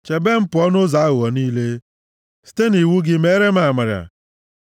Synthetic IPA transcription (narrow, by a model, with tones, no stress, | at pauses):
t͡ʃe˨be˦m̩˦pʊ˨˦ɔ˦nʊ˦za˨a˦ɣʊ˨ɔ˨niː˦le˦ | si̥˦te˦ni˨wu˦ɡɪ˦me˦ɾe˦ma˨ma˨ɾja̰˨